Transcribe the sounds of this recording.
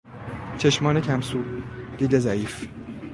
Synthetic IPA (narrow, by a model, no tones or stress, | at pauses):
t͡ʃʰe̞ʃmɒːnecʰæmsuːd̥̪iːd̪ezæiːf